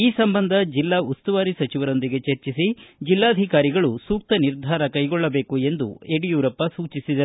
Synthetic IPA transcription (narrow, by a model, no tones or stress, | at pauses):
iːsɐmbɐnd̪ʱɐd͡ʒilːaːust̪uʋaːɾisɐt͡ʃiʋɐɾo̞nd̪iɡe̞t͡ʃɐɾt͡ʃisid͡ʒilːaːɐd̪ʱikaːɾiɡɐɭusuːk̚t̪ɐniɾd̪ʱaːɾɐkɐjɡɔɭːɐbe̞ːkue̞nd̪ṵeɽijuːɾɐpːɐsuːt͡ʃisid̪ɐ